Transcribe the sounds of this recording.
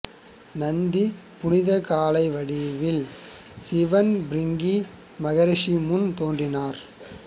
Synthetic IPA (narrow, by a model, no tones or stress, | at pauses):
nɐnd̪i | pʊnɪðɐkaːlɐɪʋɐɽɪʋɪl | sɪʋɐnbɾɪŋɡi | mɐɣɐɾɪʂimʊnt̪oːndrɪnaːɾ